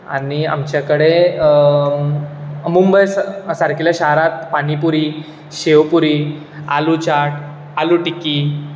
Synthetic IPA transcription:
a̰nia̰mt͡ɕjakəɽe | mumbəjssaɾkilaɕaɦɾat̪̚paɽ̃ipuɾiː | ɕeʋpuɾi | a̰lut͡ɕaʈ | aluʈiki

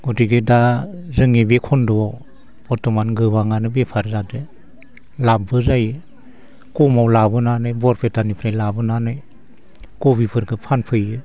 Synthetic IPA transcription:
ɡɔtiɡedazɯŋebekʰɔndɔɔ | ɔtɔmanɡɯbaŋanɯbepʰaɾzadɯ | labɯzajɯ | kɔmawlabɯnanɯjbɔɾpʰetanipʰɾajlabɯnanɯj | kɔbipʰɯɾɡɯpʰanpʰɯjɯ

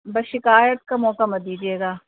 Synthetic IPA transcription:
bɐʃɪkaːjət̪̚kamɔːkamɐd̪iːd͡ʒieːɡaː

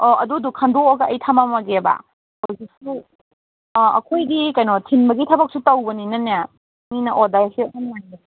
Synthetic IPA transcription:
ɔɐdudukʰandoɔɡɐʔɐjtʰamamaɡeba̰ | hɔzik̚su | ɐ̰kʰojdikajnɔtʰinbɐɡitʰɐbɐk̚sutawbɐninɐnja | minɐʔodajsianmana

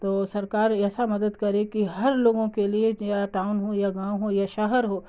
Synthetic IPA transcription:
t̪oːsɐɾkaːɾɛːsamɐd̪əd̪kɐɾekiɦɐɾloːɡõkeliejaʈaːʊnɦojaɡãːwɦojaʃɐɦəɾɦoː

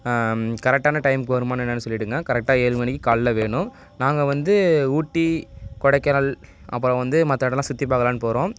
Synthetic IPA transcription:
kɐɾɛk̚ʈːaːnɐʈɐɪmkɯʋɐɾɯmaːnɛnːɐnːɯsɔlːɪʈːɯŋɡɐkɐɾɛk̚ʈːaːeːɭɯŋɡɐnɛkːɯkaːɭlɐʋeːɳʊ̃ | naːŋɡɐʋɐnd̪ɯuːʈːikɔɽɐɪkːɐnɐlɐ̰p̬ːɯɾõʋɐnd̪ɯmɐt̪ːɐɽɐlãːsʊt̪ːip̬ːaːkɐlaːnɯpoːɾõː

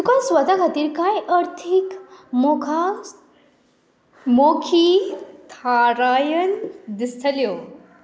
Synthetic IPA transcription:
t̪ukasʋəd̪aɡʱat̪iːɾkajəɾt̪ʰikmokʰa | mokʰit̪ʰaɾajənd̪ist̪ʰəljo

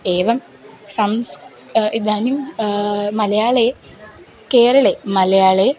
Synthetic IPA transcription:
eːʋɐm | sɐms | id̪aːnum | mɐlɐjaːɭe | keːɾɐɭemɐlɐjaːɭe

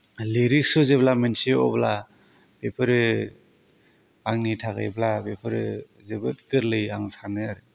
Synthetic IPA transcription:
leɾik̚suzeblamensiɔ̰bla | b̥epʰɯɾɯ | aŋnitʰaɡa̰jblabepʰɯɾɯ̰ | zebɯt̚ɡɯɾlɯjaŋsanɯaɾɯ

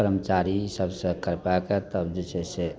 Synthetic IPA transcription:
əɾəmət͡ʃaɾisəbsə̃kəɾpaeket̪əbd͡ʒet͡ʃʰese

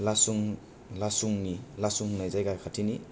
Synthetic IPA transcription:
lasuŋ | lasuŋnilasuŋnajzajɡakʰatʰini

